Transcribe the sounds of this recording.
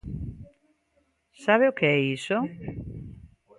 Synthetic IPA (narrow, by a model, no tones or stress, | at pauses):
saβeʊkeɛiso